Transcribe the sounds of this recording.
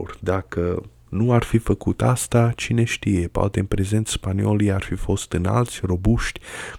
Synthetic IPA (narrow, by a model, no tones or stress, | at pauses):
rʲd̪akə | nuarfifəkut̪ast̪at͡ʃine̞ʃt̪ije̞poa̰t̪eɨnpɾe̞ze̞nt̪sspanio̞lijarfifo̞st̪ɨna̰lt̪sʲro̞buʃt̪ʲ